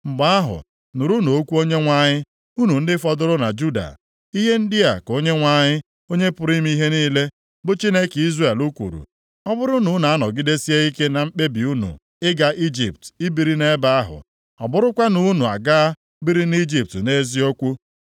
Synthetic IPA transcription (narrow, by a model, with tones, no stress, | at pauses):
ŋ͡m̩˨ɡ͡ba˦a˦ɦʊ̰˨ | nʊ˨ɾu˦no˨o˦kʷu˦o˦ɲe˦ŋʷa˦ɲɪ˦ | u˦nu˨n̩˦dɪ˦fɔ˦dʊ˦ɾʊ˦na˨d͡ʒu˦da̰˨ | i˦ɦe˦n̩˦dɪ˦a˨ko˦ɲe˦ŋʷa˨ɲɪ˦ | o˦ɲe˦pʊ˨ɾi˦m˦i˦ɦe˦niː˦le˦ | bʊ˦t͡ʃi˦ne˦ki˦zre˨lu˦kʷṵ˨ɾṵ˨ | ɔ˦bʊ˦ɾʊ˦nu˨˦na˨a˦nɔ˨ɡi˦de˦si˦e˦i˦ke˦na˨m̩˦k͡pe˦bi˨u˦nṵ˨ | ɪ˦ɡa˨ʔi˦d͡ʒḭ˨p̚ti˦bi˨ɾi˦ne˦ba˦a˦ɦʊ̰˨ | ɔ̰˨bʊ˦ɾʊ˦kʷa˦nu˦nu˨a̰˨ɡa˦ | bi˦ɾi˦ni˦d͡ʒi˨p̚tne˦zi˦o˦kʷu˦